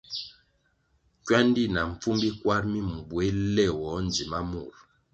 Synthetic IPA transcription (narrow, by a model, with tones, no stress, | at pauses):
kwa˦n˦di˦˨na˨ɱ̩˨p͡fu˦mbi˦kwa˦ɾmi˦m̩˨bwe˨˦lɛ˦˨wɔ˨˦n˨d͡zi˨ma˦mu˦˨ɾ